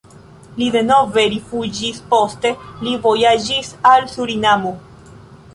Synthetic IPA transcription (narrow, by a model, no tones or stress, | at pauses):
lide̞no̞ve̞ɾifud͡ʒispo̞ste̞livo̞jad͡ʒisalsuɾinamo